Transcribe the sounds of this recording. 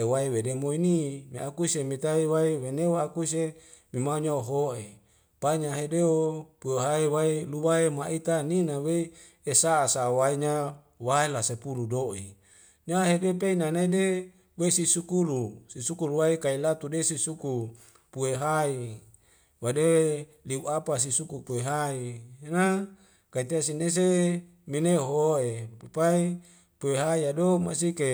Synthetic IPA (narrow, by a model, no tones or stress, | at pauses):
ewaiwedemoinimiakusemit̪aiwaiweneakus̬e | mimauɲaoɦoʔḛ | paɲaɦedeopueɦaiwailuwaemaʔit̪aninawei | esaːsawaiɲa | waelasepuludoḭ | ɲaɦedep̬einanaide | weisisukulusisukuluwaikailat̪udesisuku | pueɦai | wade | liuʔapas̬isukupueɦaina | kait̪iasines̬e | mineɦoepepai | pueɦaiadoma̰s̬ike